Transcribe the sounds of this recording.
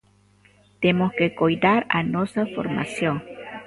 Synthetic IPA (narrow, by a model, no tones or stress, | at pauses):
t̪emoskekojd̪aɾanosafo̰ɾma̰sjoŋ